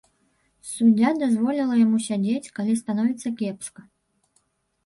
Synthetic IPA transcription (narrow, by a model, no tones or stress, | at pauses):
sud͡zʲad̪azvɔlʲilˠɐjamusʲad͡zʲet͡sʲkalʲist̪anɔvʲit̪sːɐkʲɛpʂkɐ